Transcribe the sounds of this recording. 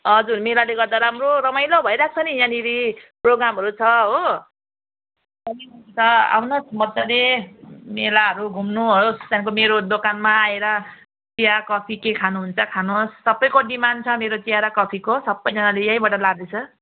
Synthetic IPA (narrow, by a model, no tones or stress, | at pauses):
ʌd͡zurmelaleɡʌɾd̪aɾamroɾʌmajlobʱʌjɾak̚t͡sʰʌnijãniɾiproɡɾamɦʌɾut͡sʰʌɦo | sʌniɦʌt͡sʰʌa̰wnʌsmʌd̪ːʌlemelaɦʌɾuɡʱumnuɦoost̪jankomeɾod̪okanmaːeɾʌ | t͡sijakʌpʰikekʰanuɦunt͡sʰʌkʰanosːʌbːʌjkoɖimant͡sʰʌmeɾot͡sijaɾʌkʌpʰikosʌbːʌjd͡zʌnalejãjbʌʈʌlaɡ̚d̪et͡sʰʌ